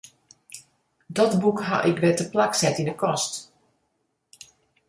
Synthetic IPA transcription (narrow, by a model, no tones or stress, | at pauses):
dɔtbukɦa̰ʔɪkʋɛtəplaksɛtindəkɔst